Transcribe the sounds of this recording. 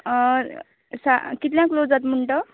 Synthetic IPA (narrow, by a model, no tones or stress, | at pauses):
sakit̪ljãklod͡zat̪muɳʈʌ